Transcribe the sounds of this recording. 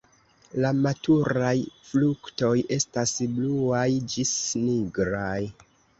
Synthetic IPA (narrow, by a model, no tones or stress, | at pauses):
lamatuɾajflukto̞je̞stasbluajd͡ʒisniɡɾaj